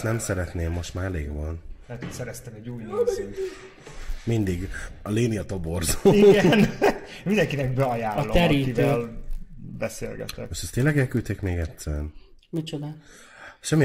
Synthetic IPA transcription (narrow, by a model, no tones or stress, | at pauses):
nɛmsɛɾɛt̪neːmːo̞ʃt̪maːleːɡvɒnlɛɦɛt̪otsɛɾɛst̪ɛmɛɟuːjnozy | mind̪iɡɒleːniɒt̪o̞borzoːiɡɛn | mind̪ɛŋkinɛk̚bɛɒjaːlːot̪ɛɾiːkitvl | bɛseːlɡɛ̰t̪ɛ̰moʃt̪ɛst̪eːnlɛɡɛlkyːt̪eːkmeːɡɛt̪sːɛnmit͡ʃod̪a | ʃɛmːi